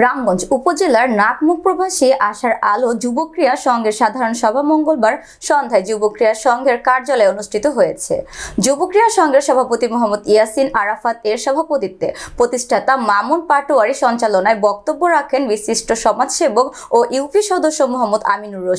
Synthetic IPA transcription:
ɾamɡɔnd͡ʑupod͡ʑelaɾnak̪muk̚pɾobʱaʃieʔaʃaɾalod͡ʑubokɾijaʃɔŋɡeɾʃad̪ʱaɾonʃɔbʱamɔŋɡolbaɾ | ʃɔnd̪ʱaed͡ʑubokɾijaʃɔŋɡʱeɾkaɾd͡ʑalɔeonuʃʈʰit̪oɦojet͡ɕʰḛd͡ʑubokɾijaʃɔŋɡeɾʃɔbʱapot̪imoɦamːɔd̪ijasinaɾafat̪eɾʃɔbʱapot̪it̪ːepɾot̪iʃʈʰat̪amamunpaʈoaɾiʃɔnt͡ɕalonaebɔk̚t̪obːoɾakʰenbiʃiʃʈʰoʃɔmad͡ʑʃebok | oʔiwfiʃɔd̪oʃːomoɦamːod̪a̰minuɾoʃ

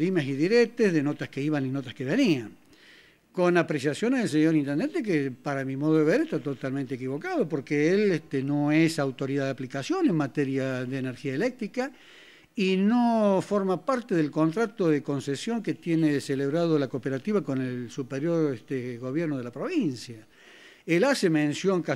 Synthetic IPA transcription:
limasiðiɾek̚t̪ezðenot̪askeiβaninot̪askeβeniaŋ | ko̞napɾesjasjo̞neels̬eɲoɾint̪end̪ent̪ek̬epaɾamimoðoðeβeɾest̪at̪ot̪almẽnt̪eekiβo̞kaðopo̞ɾkeelet̪eno̞esawt̪o̞ɾiðaðeaplikasjo̞nenmat̪eɾjaðeːneɾxiaelek̚t̪ɾika | inofoɾmapaɾt̪eðelkont̪ɾat̪oðeko̞nsesjo̞ŋket̪jeneseleβɾað̞olakopeɾat̪iβako̞nelsupeɾjo̞ɾet̪eɣo̞βjeɾnoðelapɾo̞βinsja | elasemẽnsjo̞ŋka

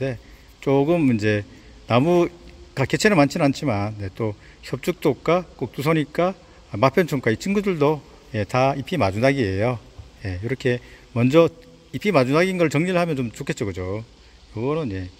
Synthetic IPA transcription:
e̞ | t͡ɕ͈oɡɯmind͡ʑe̞ | namukake̞t͡ɕʰenɯmant͡ɕʰinant͡ɕʰimanje̞t͈o | çjʌp̚t͡ɕ͈uk̚t͈ok̚k͈ak͈ok̚t͈us̬ʰʌɲik͈a | mapʰjʌnt͡ɕʰuŋk͈ait͡ɕʰinɡudɯɭdo | je̞taipʰimad͡ʑunaɡiejoje̞iɾʌkʰe̞mʌnd͡ʑʌ | ipʰimad͡ʑunaɡinɡʌɭt͡ɕʌŋɲiɾɯɭhamjʌnt͡ɕomt͡ɕokʰe̞tt͡ɕ͈ʌɡɯd͡ʑo | jʌɡʌnɯnje̞

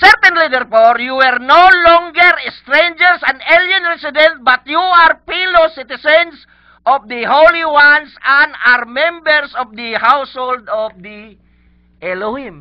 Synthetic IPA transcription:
sɛɾt̪ɛ̃nlid̪ɛɾfɔɾjuwɛɾnolɔŋɡɛɾɛst̪ɾẽnd͡ʒɛɾsãnd̪eljãnɹɛsid̪ɛ̃nt̪̚bat̪juaɾpɛlosit̪isɛns | ʔɔfd̪əholiwansãnaɾmɛ̃mbɛɾsɔfd̪əhawshold̪ɔfd̪i | ʔɛloĩm

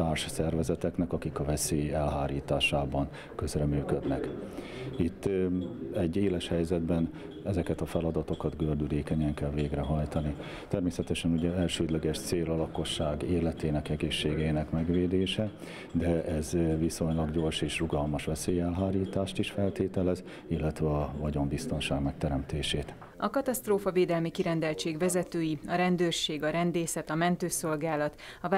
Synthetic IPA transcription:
t̪aːrʃsɛrvɛzɛt̪ɛknɛkɒkikɒvɛseːjɛlɦaːɾiːt̪aːʃaːbɒn | kø̞zrɛmyːkø̞d̪nɛk | it̪ːɛɟːeːlɛʃhɛjzɛd̪bɛn | ɛzɛkɛt̪ɒfɛlɒd̪ɒt̪o̞kɒd̪ɡørd̪yleːkɛɲɛŋkɛlveːɡrɛɦɒjt̪ɒni | t̪ɛrmeːsɛt̪ɛʃɛnuɟɛɛlʃøːd̪lɛɡɛʃt̪seːlɒlɒko̞ʃːaːɡeːlɛt̪eːnɛkɛɡeːʃːeːɡɛːnɛkmɛɡʋeːd̪eːʃɛ | d̪ɛɛzviso̞ɲlɒɡɟo̞rʃeːʃruɡɒlmɒʃʋɛseːjɛlɦaːɾiːt̪aːʃt̪iʃfɛlt̪eːt̪ɛlɛz | ilːɛt̪ʋɛɒvɒɟo̞mbist̪o̞nʃaːɡmɛk̚t̪ɛɾɛmt̪eːʃeːt̪ | ɒkɒt̪ɒst̪roːfɒveːd̪ɛlmikiɾɛnd̪ɛlt͡ʃeːɡʋɛzɛt̪øːjiɒɾɛnd̪øːrʃeːɡɒɾɛnd̪eːsɛt̪ɒmɛnt̪øːso̞lɡaːlɒt̪ | ɒv

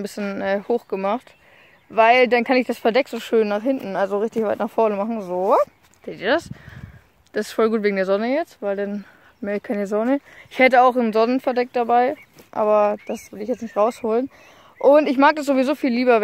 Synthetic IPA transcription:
nbɪsçənʔɛːhoːxɡ̥əmaχt | vaɪldankʰanɪçd̥asfɛɐdɛkz̥oːʃøːnːaːχhɪntn̩alzoʁɪçtɪçvaɪtnaːχfɔɐnəmaχn̩zoː | z̥ʰeːtdiːɐdas | d̥asɪ̥stfɔlɡuːtveːɡŋ̩deːɐzɔnəjɛt͡stv̥aɪldan | mɛːɐkʰaɪnəzɔnəʔɪçhɛtəaʊxnzɔnənfɛɐdɛk̚d̥abaɪ | ʔa̰ːbɐd̥asv̥ɪlɪçjɛt͡snɪçtʁaʊshoːlən | ʔʊntɪçmaːɡ̚d̥asz̥ovizoːfiːlːiːbɐ

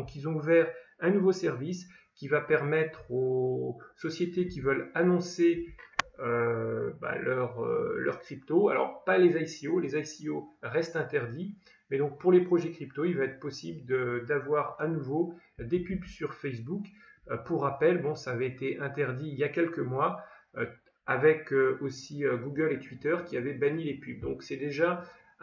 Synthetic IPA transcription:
dɔ̃kilzɔ̃uvɛʁɛ̃nuvosɛʁvis | kʲivapɛʁmɛt̪χo | sɔsjet̪ekʲivœlanɔ̃se | øba̰lœʁø̰lœ̰ʁkχipt̪oa̰lɔ̰ʁpalezajsiolezajsioʁɛst̪ɛ̃t̪ɛʁd̪i | mɛd̪ɔ̃k̚puʁlepχɔʒɛkχipt̪oilvaɛt̪χpɔsibld̪əd̪avwaʁanuvod̪epybsyʁfɛsbuk | puʁːapɛlbɔ̃saːvɛet̪eʔɛ̃t̪ɛʁd̪iːljakʲɛlkəmwaø | avɛkøosiøɡuɡʲœlet̪wit̪œʁkʲiavɛbaɲilepyb̚d̪ɔ̃ksɛd̪eʒa

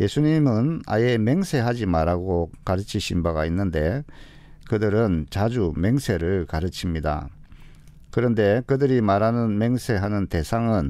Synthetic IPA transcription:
je̞sʰuɲimɯna̰je̞me̞ŋsʰe̞ɦad͡ʑimaɾaɡokaɾɯt͡ɕʰiɕʰimbaɡainːɯnde̞ | kɯdɯɾɯnt͡ɕad͡ʑume̞ŋsʰe̞ɾɯɭkaɾɯt͡ɕʰimɲida̰ | kɯɾʌnde̞kɯdɯɾimaɾanɯnme̞ŋsʰe̞ɦanɯnte̞sʰaŋɯn

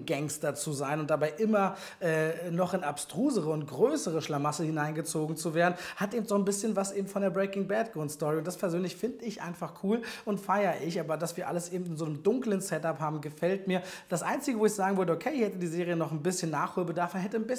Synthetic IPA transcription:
ɡɛŋstd̥ɐt͡suzaɪnʊnt̚d̥abaɪʔɪmɐ | ʔɛːnɔχɪnapstʁ̥uːzəʁəʊnt̚ɡ̥ʁøːsəʁ̞əʃlamasəhɪnaɪnɡət͡soːɡŋ̩t͡suveːɐdn̩hatʔeːbm̩tz̥oːnbɪsçənvasʔeːbm̩tfɔndeːɐbʁɛɪkɪŋbɛdɡ̥ɔnstɔʁiʊntd̥aspʰɛɐzøːnlɪçfɪndəɪçʔa̰ɪnfaχkʰuːlʔʊntfaɪɐʔɪçʔaːbɐdasv̥iːɐʔa̰ləsʔeːbm̩tɪnzoːnəmdʊŋklənsɛtaphaːbm̩ɡəfɛltmiːɐd̥asʔaɪnt͡sɪɡəvoːɪçz̥aːɡŋ̩vʏɐdəʔokʰeɪɪçhɛtədiːzeːʁ̞ijənɔχn̩bɪsçənːaːχhuːlbədaɐfmanɦɛtənbɪ

